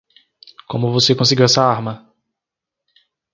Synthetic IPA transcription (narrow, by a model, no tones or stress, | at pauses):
kõmʊvosekõsiɡiwɛsɐaɾmɐ